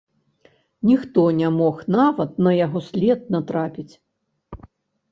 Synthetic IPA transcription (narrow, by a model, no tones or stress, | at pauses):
nʲixt̪ɔnʲamɔxnavɐt̪̚nɐjaɣɔsʲlʲɛt̪̚nɐt̪ɾapʲit͡sʲ